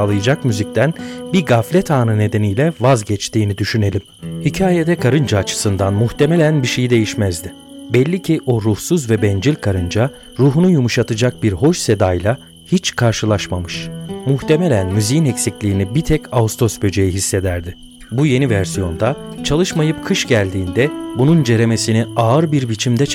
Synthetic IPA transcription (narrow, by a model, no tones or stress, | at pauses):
aːlˠajɯd͡ʒakmyzic̚t̪ʰænbiɡaflʲɛt̪ʰaːnɯne̞d̪e̞nijlʲɛvazɟɛt͡ʃt̪ʰiːnid̪yʃyne̞lʲim | hicʰaːjed̪ɛkʰaɾɯnd͡ʒaːt͡ʃʰɯ̥sɯnd̪anmuht̪ʰe̞melʲænbiʃe̞jid̪e̞jiʃmæzd̪ɪ | bɛlʲːicʰiʔo̞ɾuhsuzvɛbɛnd͡ʒilʲkʰaɾɯnd͡ʒa | ɾuːɦunujumuʃat̪ʰɯd͡ʒak̚biɾɦo̞ʃse̞d̪ajlˠa | hit͡ʃkʰaɾʃɯlˠaʃmamɯʃmuht̪ʰe̞melʲænmyzijinɛcsiclʲijːnibit̪ʰɛcʰaust̪ʰo̞sbø̞d͡ʒejiɦisːe̞d̪æɾd̪ɪ | buje̞nivæɾsijo̞nd̪at͡ʃʰalˠɯʃmajɯpkʰɯʃɟælʲd̪iːnd̪ɛbunund͡ʒe̞ɾeme̞siniaːɯɾbiɾbit͡ʃʰimd̪ɛ